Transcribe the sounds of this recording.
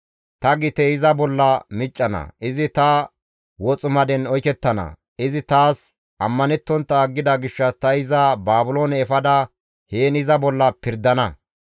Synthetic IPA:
t̪ɐɡɪt̪ɛɪzɐbɔlːɐmɪt͡ʃʼːɐnɐ̰ʔɪzɪt̪ɐ | wɔt͡sʼʊmɐd̪ɛnɔjkɛt̪ːɐnɐ̰ | ɪzɪt̪aːs | ʔɐmːɐnɛt̪ːɔnt̪ːɐːɡːɪd̪ɐɡɪʃːɐst̪ɐɪzɐbaːbʊlo̞ːnɛːfɐd̪ɐ | heːnɪzɐbɔlːɐpɪɾd̪ɐnɐ

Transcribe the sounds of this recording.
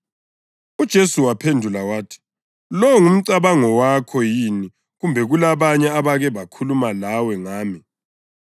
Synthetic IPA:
ud̥ʒ̥ʱesuwapʰendʱulawaːtʰi̥ | lɔŋum̩ǀaβaŋɔwakʰɔjini | ɣumbʱɛɣulaβaɲɛaβaɣɛβakʰulumalawɛŋaːmi

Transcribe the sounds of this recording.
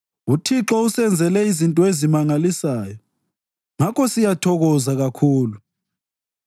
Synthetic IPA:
utʰiǁɔusɛnd͡zʱɛlɛizintʼɔezimaŋalisaːjɔ | ŋakʰɔsijatʰɔɣɔzaɣakʰuːlu

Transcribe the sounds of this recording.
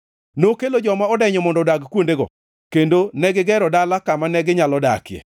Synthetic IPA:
nokelod͡ʒɔmaɔdɛɲɔmɔndɔdaɡkwondeɡɔ̰ | kendonɛɡɪɡɛɾɔdalakamanɛɡɪɲalɔdakjɛ̰

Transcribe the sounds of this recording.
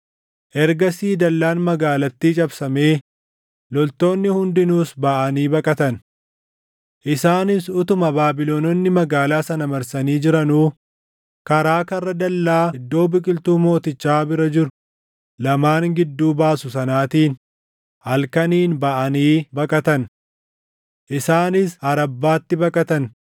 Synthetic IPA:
ʔɛɾɡɐsiːd̪ɐlːaːnmɐɡaːlɐt̪ːiːt͡ʃʼɐbsɐme̞ː | lɔlt̪o̞ːnːɪhʊnd̪ɪnuːsbɐʔɐniːbɐkʼɐt̪ɐn | ʔɪsaːnɪsʊt̪ʊmɐbaːbɪlonɔnːɪmɐɡaːlaːsɐnɐmɐɾsɐniːd͡ʒɪɾɐnuː | kɐɾaːkɐrːɐd̪ɐlːaːɪd̪ːo̞ːbɪkʼɪlt̪uːmo̞ːt̪ɪt͡ʃːaːbɪɾɐd͡ʒɪɾʊ | lɐmaːŋɡɪd̪ːuːbaːsʊsɐnaːt̪iːn | hɐlkɐniːnbɐʔɐniːbɐkʼɐt̪ɐn | ʔɪsaːnɪsɐɾɐbːaːt̪ːɪbɐkʼɐt̪ɐn

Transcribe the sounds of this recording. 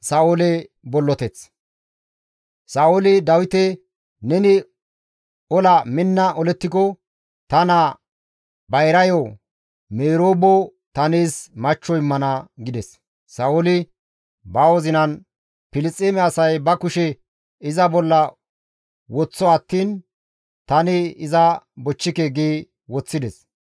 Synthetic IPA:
sɐolɛbɔlːɔt̪ɛt͡s | sɐolɪd̪ɐwɪt̪ɛ | nɛnɪ | ɔlɐmɪnːɐʔɔlɛt̪ːɪkɔ | t̪ɐnɐ | bɐjɾɐjɔ | meːɾoːbɔ | t̪ɐneːsmɐt͡ʃːɔɪmːɐnɐɡɪd̪ɛsː | ɐʊlɪ | bɐwɔzɪnɐn | pɪlɪt͡sʼeːmɛɐsɐjbɐkʊʃɛ | ɪzɐbɔlːɐ | wɔt͡sːɔɐt̪ːiːn | t̪ɐnɪɪzɐbɔt͡ʃːɪkeɡeː | wɔt͡sːɪd̪ɛs

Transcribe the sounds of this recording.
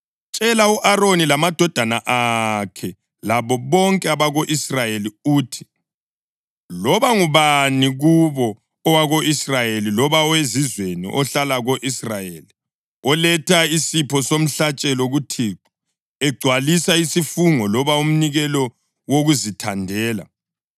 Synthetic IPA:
t͡ʃʼɛlauʔaronilamad̥ʱɔd̥ʱanaʔakʰɛ | laβɔβɔŋkʼɛaβaɣoʔisrajeliuːtʰi̥ | lɔβaŋuβaniɣuβɔ | ɔwaɣoʔisrajelilɔβaɔwezizwenḭʔɔɬalaɣoʔisrajeːli | ɔlɛtʰaisipʰɔsom̩ɬat͡ʃʼɛloɣutʰiːǃi̥ | ɛɡ͡ǀʱwalisaisifuŋɔlɔβaum̩niɣɛlɔ | woɣuzitʰandʱɛːla̰

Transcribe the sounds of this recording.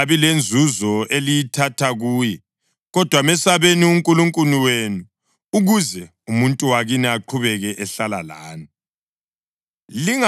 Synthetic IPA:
aβilend͡zʱuzɔelijitʰatʰaɣuːjɛ | ɣɔd̥ʱwamɛsaβeniuŋkʼuluŋkʼuniwenuː | ɣuzɛ | umuntʼuwaɣiniaǃʰuβɛɣɛʔɛɬala̰la̰ːni | liŋa

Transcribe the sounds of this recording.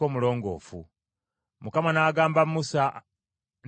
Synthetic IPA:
oːmulo̞ːŋɡo̞̰ːfṵ | mukamanaːɡaːmbamusa | n

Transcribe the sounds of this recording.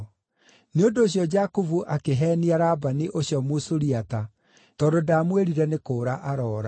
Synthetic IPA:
neondoːɕ̬jɔd͡ʑakovuʔakeɦɛːniaɾabaniʔoɕjɔmosoɾiata | tɔdodaːmweɾiɾɛnekoːɾaʔaɾɔːɾa

